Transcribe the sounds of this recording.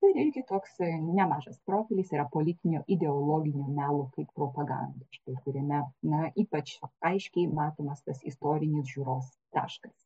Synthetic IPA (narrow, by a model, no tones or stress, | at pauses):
ʊɪɾɪɾʲɡʲɪt̪oːksnʲɛmɑːʒɐspɾoːfʲɪlʲisiːɾɐpoːlʲɪt̪ʲɪnʲo̰ːʔɪd̪ʲɛolˠoːɡʲɪnʲuːmʲæːlˠoːkɐɪppɾoːpɐɡɑ̰nd̪oːʃkɐɪkʊɾʲɛmʲɛnɐʔiːpɐt͡ʃɐɪʃʲkʲɛɪmɑːt̪oːmɐst̪ɐsɪ̰st̪oːɾʲɪnʲɪsʒʲuːɾoːs | t̪ɑ̰ːʃkɐs